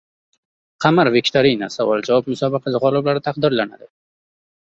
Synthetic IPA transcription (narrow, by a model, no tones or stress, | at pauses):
qʰamaɾvekʲt̪ʰaɾinasavɒlˠd͡ʒavɒb̚mʊsɒbɪqʰɑsɪʁɒlˠɪblaɾɪt̪ʰaqd̪ɪɾlana̰d̪ɪ